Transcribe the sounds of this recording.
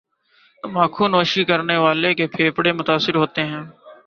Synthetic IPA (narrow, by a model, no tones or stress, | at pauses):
maːkʰũːnoːʃiːkəɾneːʋaːleːkeːpʰeːpɽeːmʊt̪aːsɪɾɦoːt̪eːɦɛ̃ː